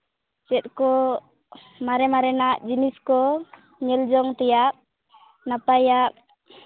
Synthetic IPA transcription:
t͡ʃɛt̪̚kɔ | maɾɛmaɾɛnaʔd͡ʒiniskɔ | ɲɛld͡ʒɔŋt̪ɛjaʔ | napajaʔ

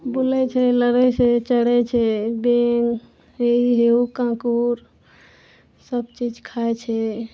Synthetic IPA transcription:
bulɛt͡ʃʰɛləɾɛset͡ʃəɽɛt͡ʃʰɛbeŋ | eiɦeukãkuɾ | səbt͡ʃid͡ʒkʰaɛt͡ʃʰɛ

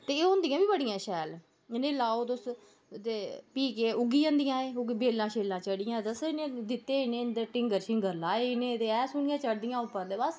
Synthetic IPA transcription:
t̪eːõnd̪ijãːbiːbəɽɪjãːʃɛːl | ɪnẽːlaːoːt̪ʊs | t̪eːpiːkeːʊɡiːə̃ːnd̪ɪjãːeːʊɡbeːlːãːʃeːlãːt͡ʃəɽɪjãːt̪əsɪnẽːd̪ɪt̪ːeːɪnẽnd̪eːʈɪ̃ŋɡəɾʃɪŋɡəɾlaːeɪnẽːt̪eːɛːsʊɳjãːt͡ʃəɽd̪ɪjãːʊpːəɾd̪eːbəs

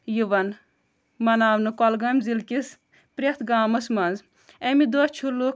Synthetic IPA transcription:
jiʋɐn | mɐnaːwnɨkɔlɡɐmzilkis | pɾʲet̪ʰɡaːmɐsmɐnz | emid̪ost͡ʃʰulːu

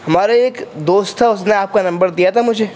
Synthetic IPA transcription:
ɦəmaɾeekd̪ost̪ʰəsneap̚kanə̃mbəɾd̪ijat̪amũd͡ʒʰe

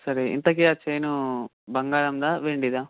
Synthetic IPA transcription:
sɐɾeḭnt̪ɐk̬iaːt͡ʃejnu | bɐŋɡaːɭɐmd̪aʋeɳɖid̪aː

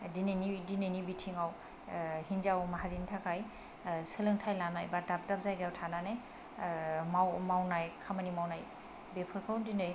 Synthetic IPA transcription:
dinenidinɯjnibitʰiŋaw | hinzawmaɦaɾintʰakʰaj | sɯlɯŋtʰajlanajbadap̚dap̚zajɡiawtʰananɯj | mawmawnajkʰamanimawnaj | bepʰɯɾkʰɯwndinɯj

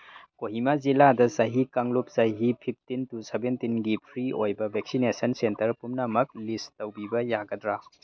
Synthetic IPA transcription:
koɦimaziladɐsɐɦikaŋlup̚sɐɦipʰip̚ʰtintusebentinɡipʰɾiojbɐbʱeksinesɐnsentɐɾpumnɐmɐk̚listɐwbibɐjaɡɐdɾa

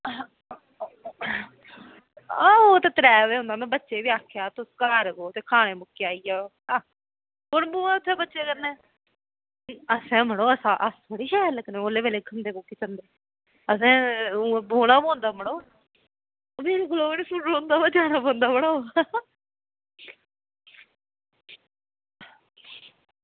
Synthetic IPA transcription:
ãːoːt̪ãːt̪əɾɛːʋeːʊ̃nd̪aːnãbətːʃeːʋiːaːkʰːjaːt̪ʊskaːɾɡoːt̪eːkʰaːɽ̃ẽːmʊkːeaːiːaː | aː | pʊnboːãːʊt̪ʰːeːbətːʃeːkəɾnɛ̃ː | əsɛ̃ːməɽoːəsãːʔəst̪ʰoɽiːʃɛːɾləknẽːoːleːʋeːleːkʰənd̪eːbokiːt͡ʃənd̪eː | əsɛ̃ːboːɽãːbõːnd̪aːməɽ̃oː | omeːɾɡʊloːenesʊoõnd̪aːbəd͡ʒaːnãːbõːnd̪aːməɽoː

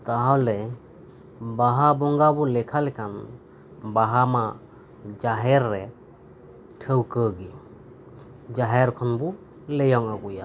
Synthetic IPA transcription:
t̪aɦawlɛ | baɦabɔŋɡabɔlɛkʰalɛkʰan | baɦama | d͡ʒaɦɛɾːɛ | tʰəwkəɡi | d͡ʒaɦɛɾkʰɔnbu | lɛjɔŋaɡuja̰

